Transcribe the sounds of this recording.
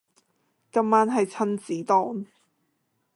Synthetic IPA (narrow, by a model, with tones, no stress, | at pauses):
kɐ˥mːaː˥nɦɐ˨jt͡sʰɐ˥nt͡siː˨˥t̪ɔː˥ŋ